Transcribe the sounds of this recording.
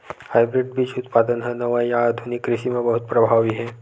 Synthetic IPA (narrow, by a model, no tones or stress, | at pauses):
hajbɾɪɖbid͡ʒut̪pad̪ənɦɛnəʋajaːd̪ʱunikːɾiʃimẽbəɦut̪̚pɾəbʱaʋiɦɛ